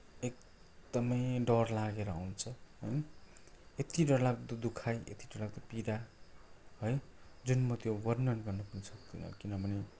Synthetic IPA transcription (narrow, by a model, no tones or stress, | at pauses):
ek | d̪ʌmʌjɖʌrlaɡeɾʌa̰w̃nt͡sʰʌɦʌj | et̪iɖʌrlaɡt̪ʌd̪ukʰajḛt̪iɖʌrlaɡd̪ʌpid̪a | ɦʌjd͡zunmʌt̪jowʌrnʌnɡʌrnʌpunisʰʌk̚d̪inʌ̰kinʌbʱʌne